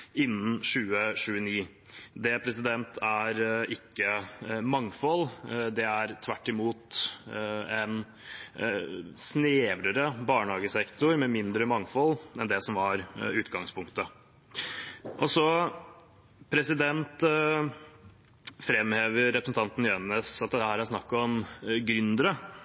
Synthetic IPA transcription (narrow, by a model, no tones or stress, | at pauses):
ɪnːn̩ʃʉːəʂʉːəniː | d̪ɛpʰɾɛs̬ɪd̪ɛnt̪ʰæɾɪkːəmɑŋfɔld̪ɛæɾt̪ʰʋæʈːɪmuːt̪ | ɛn | sneːʋɾəɾəbɑːɳəhɑːɡəsɛkt̪ʊɾmɛmɪnd̪ɾəmɑŋfɔlːɛnd̪ɛsɔmhɑɾʉːt̪ɡɑŋspʰʊŋkt̪ə | ʔɔsɔ | pʰɾɛsɪd̪ɛnt̪ | fɾɛmːheːʋəɾɛpɾəsn̩t̪ʰɑnt̪n̩jɛnəsɑt̪̚d̪ɛt̪ːəhæːɾæsnɑkːɔmɡɾʏnd̪əɾə